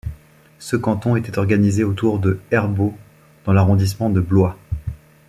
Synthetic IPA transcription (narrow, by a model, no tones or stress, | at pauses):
səkɑ̃t̪ɔ̃et̪ɛt̪ɔʁɡanizeot̪uʁd̪əɛʁbo | d̪̥ɑ̃laʁɔ̃d̪is̬mɑ̃d̪əblwa